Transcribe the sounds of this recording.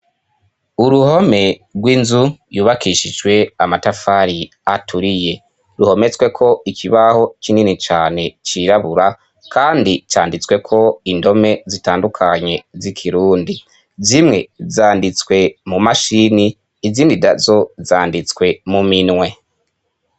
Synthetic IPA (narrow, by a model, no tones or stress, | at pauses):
uɾuho̞me̞ɾɡwiːnzujuːβakʰiʃid͡ʒwe̞amatafaɾi | atʰuɾije̞ | ɾuho̞me̞t͡swe̞kʰo̞ikʰiβaho̞t͡ʃininit͡ʃaːne̞t͡ʃiːɾaβuɾa | kʰaːndit͡ʃaːndit͡swe̞kʰo̞indo̞me̞zitaːndukʰaɲe̞zikʰiɾuːndi | zimŋe̞zaːndit͡skwe̞mumaʃiniː | ziːndida̰zo̞zaːndit͡skwe̞muminŋwe̞